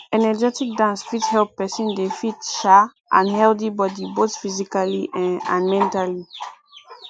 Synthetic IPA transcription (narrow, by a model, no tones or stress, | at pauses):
ɛnɛd͡ʒɛtik̚dãnsfithɛlpːɛsĩndefitʃa | ʔã̰nhɛldibɔdiboθfizikaliʔã̰nmɛ̃ntali